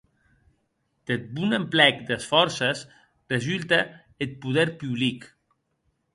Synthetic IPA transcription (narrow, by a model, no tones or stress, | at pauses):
d̪̥et̪̚bunemplɛkd̪esfɔɾses | rezylˠt̪ə | et̪̚puðɛɾpyβlik